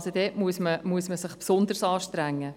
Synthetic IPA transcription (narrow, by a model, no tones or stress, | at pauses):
sod̥eːʔmuəsməmuəsməsɪχpsʊnd̪əɾsɑːʃtɾæŋːə